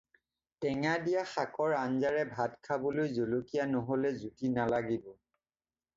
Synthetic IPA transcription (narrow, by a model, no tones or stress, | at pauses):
tɛŋadijaxakɔɹanzaɹɛbʱadkʰabolojzolokijanɔɦolɛzutinalaɡibɔ